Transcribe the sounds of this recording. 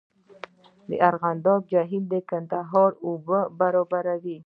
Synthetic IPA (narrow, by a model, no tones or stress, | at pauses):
d̪ə̰ʔaɾɣand̪ɑb̚d͡ʒaɦild̪əkant̪aɦɑɾobəbaɾɑbaɾawi